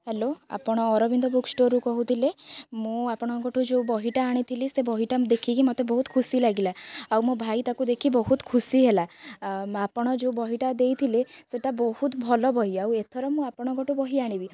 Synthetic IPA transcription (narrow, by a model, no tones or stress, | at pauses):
heloa̰pɔɽ̃ɔːɾɔbind̪ɔbuksʈoɾukɔɦut̪ʰilemũapɔɽ̃ɔɡɔʈʰud͡ʒeubɔɦiʈaːɽ̃it̪ʰilisebɔɦiʈad̪ekʰikimot̪ebɔɦut̪kʰusilaɡilaawmobʱajt̪akud̪ekʰibɔɦut̪kʰusiɦela | apɔɽ̃ɔd͡ʒeubɔɦiʈad̪ejt̪ʰileseʈabɔhut̪bʱɔlɔbʱɔɦiawet̪ʰɔɾɔmũapɔɽ̃ɔɡɔʈubɔɦiaɽ̃ibi